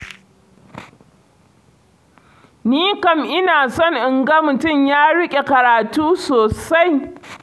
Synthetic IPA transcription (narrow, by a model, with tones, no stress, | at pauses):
niː˦kɐ˨mʔɪ˦naː˨sɔ˦˨ŋʔɪ˨ŋɡɐ˦mʊ˨tʊ˦˨mjaː˦ɽɪ˦kʲʼe˨kɐ˨ɾaː˨tuː˦soː˨sa˦j